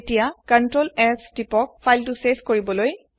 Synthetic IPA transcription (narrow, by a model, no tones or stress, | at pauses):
tijakəntɹolɛsdipɔk̚pʰajltʊseskoɹibɔloj